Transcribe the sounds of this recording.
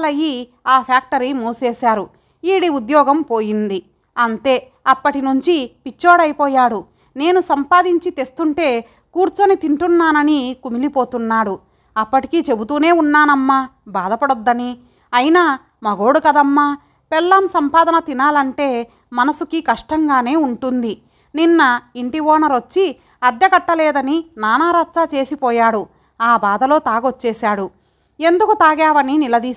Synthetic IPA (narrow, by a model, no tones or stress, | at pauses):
lɐji | aːpʰaːk̚ʈɐɾimuːseːsaːɾu | iːɽiud̪jɔːɡɐmpo̞ːjind̪i | ɐnt̪e̞ː | ɐpːɐʈinuɲt͡ʃipit͡ʃːoːɽɐjpɔːjaːɽu | ne̞ːnusɐmpaːd̪iɲt͡ʃit̪e̞st̪uɳʈe̞ː | kuːɾt͡ʃɐnit̪iɳʈunːaːnɐnikumilipo̞ːt̪unːaːɽu | ɐpːɐʈikit͡ʃe̞but̪̬uːne̞ːunːaːnɐmːa | baːd̪ɐpɐɽod̪ːɐni | ɐjinaː | mɐɡo̞ːɽukɐd̪ɐmːaː | pɛlːamsɐmpaːd̪ɐnɐt̪inaːlɐɳʈe̞ː | mɐnɐsukikɐʂʈɐŋɡaːne̞ːuɳʈund̪i | ninːɐiɳʈiʋɔːnɐɾot͡ʃːi | ɐd̪jɐkɐʈːɐlɛːd̪ɐninaːnaːɾaːtːt͡ʃaːt͡ʃe̞ːsipɔːjaːɽu | aːbaːd̪ɐlo̞ːt̪aːɡot͡ʃːɛːsaːɽu | e̞nd̪ukut̪aːɡaːʋɐninilɐd̪iː